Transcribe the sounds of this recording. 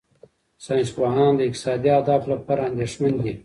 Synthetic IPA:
sɑj̃nsbɑɦɑːnd̪əɪk̚t̪ɪ̥sɑːd̪iad̪ɑflapɑːɾaand̪eʂmand̪i

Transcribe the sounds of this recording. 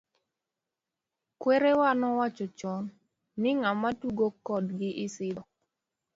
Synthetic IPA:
kweɾewanɔwat͡ʃɔt͡ʃɔnː | ɪŋamatuɡokɔdɡɪʔɪsɪdɔ

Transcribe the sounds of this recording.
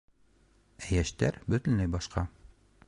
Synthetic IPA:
æjæʃt̪æɾbɵ̆t̪ɘ̆nlæjbɒʃqɑ

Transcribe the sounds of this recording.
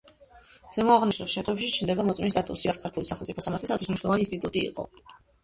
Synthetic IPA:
z̥ɛmɔaʁnisuʃɛt̪ʼwɛpʃit͡ʃʰnd̪ɛbamɔt̪sʼminist̪d̪at̪ʼusiaskʰaɾt̪ʰulisaχɛmt̪sʼipʰɔsamaɾt̪ʰlisat̪ʰis̬niʃnlɔvaninst̪ʼit̪ʼut̪ʼḭːqʼɔ̰

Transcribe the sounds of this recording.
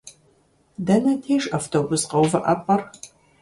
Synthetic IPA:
dɐnɐtʰeːʂɐːftʰoːbʊsqɐwvɐʔɐpʼɐr

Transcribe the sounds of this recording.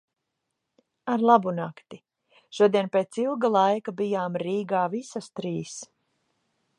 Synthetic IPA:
aɾlˠabunakt̪i | ʃuɔd̪iɛnpeːt̪silˠɡalˠajkabijaːmɾiːɡaːvisast̪ɾiːs

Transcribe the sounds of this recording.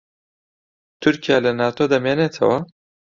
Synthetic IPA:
t̪ʊɾkijalanɑːt̪od̪amenet͡sʰa̰wa

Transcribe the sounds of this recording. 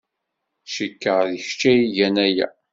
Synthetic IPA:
ʃikːəʁðəçt͡ʃːæjiʝænæjæ̰

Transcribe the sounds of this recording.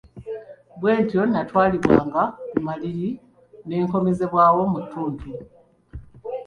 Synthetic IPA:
bwe̞ːntjo̞natwaːliβwa̰ːŋɡakumaliɾi | ne̞ːŋko̞meze̞βwaːwo̞mutːuːntʰu

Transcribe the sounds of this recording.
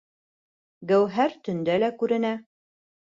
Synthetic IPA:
ɡæwɦæɾt̪ɵ̆nd̪ælækʉɾɘ̆næ

